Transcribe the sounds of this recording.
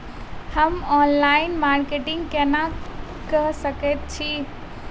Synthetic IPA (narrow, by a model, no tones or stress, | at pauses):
həmɔnlainmaɾkeʈiŋɡkena | kəɦsəkɛt̪̚t͡ʃʰi